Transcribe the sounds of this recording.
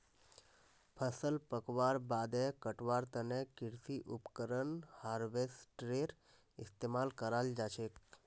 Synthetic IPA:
pʰəsəlpəkʋaɾbaːd̪ɛkəʈʋaːɾt̪ənekɪɽsiʔupkəɾənhaːɾʋesʈɾeʈ | ɪst̪emaːlkəɾald͡ʒat͡ʃʰek

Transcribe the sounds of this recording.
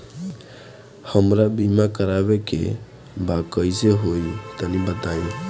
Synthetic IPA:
həmɾabimakəɾabekḛ | bakəjseɦoit̪ənibət̪ae

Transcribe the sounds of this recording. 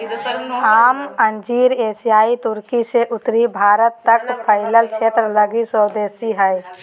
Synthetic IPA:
aːmənd͡ʒiːɾeːsijaːit̪ʊɾkiseʔʊt̪ɾibʱaːɾət̪ːəkpʰəɪləlt͡ʃʰeːt̪ɾələɡisəːd̪eːsiɦɛɪ

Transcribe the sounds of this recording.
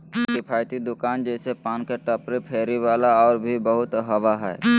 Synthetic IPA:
kɪpʰaːjt̪id̪ʊkaːnd͡ʒɛːsepaːnkeʈəpɾepʰeːɾiʋaːlaɔːɾbʱibəɦʊt̪ɦɐʋaɦɛ̰ː

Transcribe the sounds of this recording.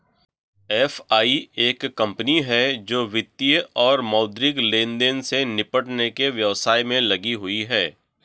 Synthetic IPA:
ɛːfaːieːkːɐ̃mpəniɦɛd͡ʒoːʋɪt̪ːijəɔːɾmɔːd̪ɾɪklẽːnd̪eːnsenɪpəʈnekeʋjɐʋsaːimẽlɐɡiɦʊiɦɛː

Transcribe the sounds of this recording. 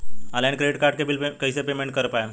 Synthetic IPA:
alãɳkɾeɖiʈkaɾʈ̚kebilkəjsepemeɳʈ̚kəɾpaja

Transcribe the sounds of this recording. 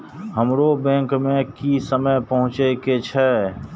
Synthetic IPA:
həmɾobɛ̃ːŋkmẽkisəməjpəɦʊ̃t͡ʃeket͡ʃʰɛː

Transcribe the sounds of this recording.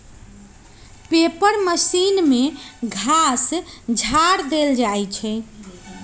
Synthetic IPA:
pepəɾməsinmeɡʱasd͡ʒʱaɾd̪eld͡ʒajt͡ʃʰɛ

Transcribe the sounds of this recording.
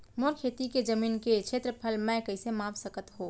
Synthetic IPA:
moɾkʰeːt̪iked͡ʒəmiːnket͡ʃʰeːt̪ɾəpʰəlmɛ̃kɐɪsemaːfsəkət̪ɦoː

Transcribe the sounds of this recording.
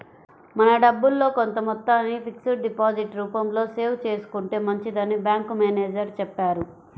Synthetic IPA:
mɐnɐɖɐbːulːo̞ːkont̪ɐmɔt̪ːaːnːipʰiksuʈɖipaːd͡ʒiʈɾuːpɐmlo̞ːse̞ːwt͡ʃe̞ːsu̥kuɳʈe̞ːmɐɲt͡ʃid̪ɐnːibjaːŋkumeːneːd͡ʒɐɾt͡ʃɛpːaːɾu

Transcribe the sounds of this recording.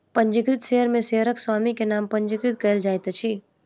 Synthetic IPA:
pə̃ɲd͡ʒɪkɾɪt̪ʃeɦəɾmẽseɦəɾəkswaːmikenaːmpə̃ɲd͡ʒɪkɾɪt̪̚kɐeld͡ʒaːjt̪t͡ʃʰi

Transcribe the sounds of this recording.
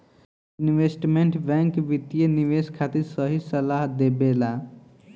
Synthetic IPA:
inʋesʈmeɳʈbɛ̃ŋkʋit̪ijeniʋeskʰat̪iɾsəɦisəlaɦd̪ebela

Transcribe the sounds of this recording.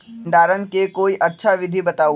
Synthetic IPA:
ɳɖaːɾənkekoːiʔɐtːʃʰaʋɪd̪ʱibɐt̪aːu

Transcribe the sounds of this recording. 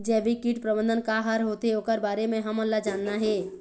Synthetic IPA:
d͡ʒɛːʋikiʈpɾəbə̃nd̪ənkaɦəɾɦoːt̪eoːkəɾbaːɾemẽɦɐməlːad͡ʒaːnːaɦɛː

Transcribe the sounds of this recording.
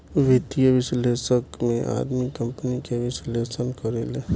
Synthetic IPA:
ʋɪt̪ijəʋɪsleːsəkmẽʔa̰ːd̪mikɐ̃mpnikeʋɪsleːsənkəɾeleː

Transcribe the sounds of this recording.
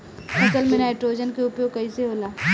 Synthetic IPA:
kɐt̪əlmẽnaːɪʈɾoːd͡ʒənkeʊpjoːkɐiseɦoːlaː

